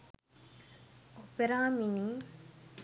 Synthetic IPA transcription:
opeɾaːmini

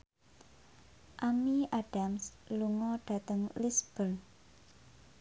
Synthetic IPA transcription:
ʔamiaɖ̥amsluŋɔɖ̥a̤t̪əŋlisb̥əl

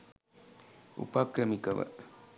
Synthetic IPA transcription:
ṵpaːkɾɐmikɐʋɐ̰

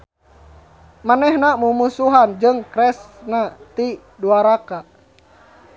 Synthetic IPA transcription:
manɛhnamumusuɦand͡ʒɨŋkɾɛsnat̪i | duaɾaka

